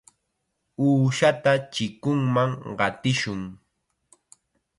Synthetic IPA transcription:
uːʃat̪at͡ʃɪkʊŋmaŋɢɑt̪ɪʃʊŋ

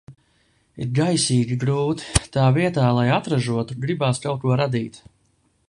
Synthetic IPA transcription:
iɾɡajsiːɡʲiɡɾuːt̪i̥t̪aːviɛt̪aːlˠajat̪ɾaʒuɔt̪uɡɾibaːskawkuɔɾad̪iːt̪

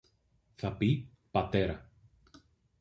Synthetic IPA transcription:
θɐpi | pɐt̪e̞ɾɐ

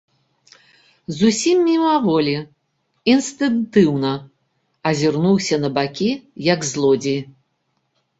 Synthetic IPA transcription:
zusʲimːʲimavɔlʲi | inst̪ɨnt̪ɨwnɐ | ɐzʲirnuwsʲɐnɐbakʲijɐɡzlˠɔd͡zʲij

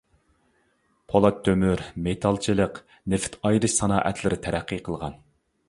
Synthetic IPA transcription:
pʰolˠɑt̪ʰːømyɾmet̪ʰɑlˠt͡ʃʰɨlˠəq | nɪft̪ʰɑjɾɨʃsɑnɑ̰ːʔɛt̪ʰlɪɾɪt̪ʰɛɾæqːiqʰəlˠʁɑn

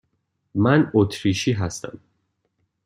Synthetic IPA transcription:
mænot̪ʰɾiːʃiːɦæst̪æm

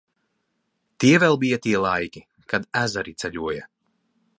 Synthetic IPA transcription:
t̪iɛvɛlˠbijat̪iɛlˠajkʲi | kad̪æzaɾit̪sʲɛʎʲuɔjɐ

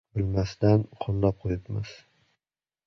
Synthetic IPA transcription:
bɪlmasd̪anqʰolˠːap̚qʰojɪpmɪ̰z̥

